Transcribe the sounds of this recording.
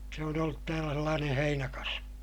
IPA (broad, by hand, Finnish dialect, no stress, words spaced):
se on olːut tæːlæ selːɑːneː heinækɑsʋi